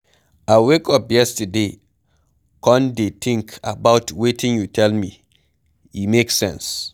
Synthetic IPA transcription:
awekɔpjɛstəde | kɔ̃ndetʰĩŋkʰa̰baʊtwetʰĩŋjutʰɛlmi | imeksɛ̰̃ns

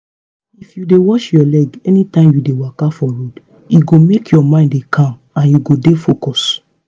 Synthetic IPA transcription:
ifjudewɔʃjɔlɛɡɛnĩtãɪ̃mjudewakafɔɹod | juɡomekjɔmãɪ̃ndekʰãm | ãnjuɡodefokɔs

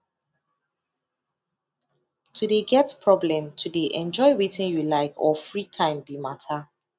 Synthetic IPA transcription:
tʰudeɡɛtpʰɹɔblɛ̃mtʰudeʔɛ̃nd͡ʒɔɪwetɪ̃njulaɪkʰɔ̰fɹitʰãɪ̃mbimatʰa

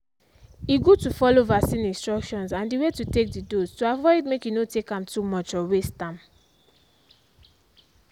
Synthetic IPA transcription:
iɡutufɔlovasĩnĩnstɹɔkʃɔ̃nsãndiwetutek̚didostuavɔɪdmekjunotekãmtumɔt͡ʃɔwestãm

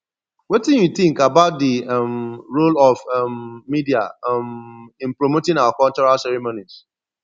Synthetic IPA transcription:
wetĩnjut̪ɪ̃ŋkabaʊt̚dimɹolɔvmːidiamɪ̃npɹomotɪ̃ŋawakɔlt͡ʃɔɹalsɛɾimonis

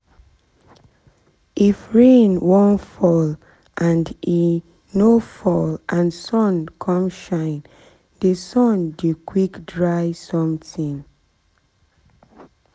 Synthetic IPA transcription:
ʔifɹẽnwõntfɔl | ʔãndi | nofɔlʔãnsɔ̃nkʰɔ̃mʃãɪ̃n | desɔ̃ndikʰwikdɹaɪsɔ̃mtʰĩn

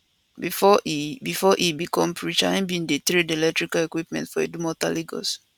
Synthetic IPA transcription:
bfɔbifɔʔibikʰɔ̃mpʰɹit͡ʃãnbĩndetɾidelɛktɹikalekwipmɛ̰̃ntfɔedumɔtaliɡɔ̰s

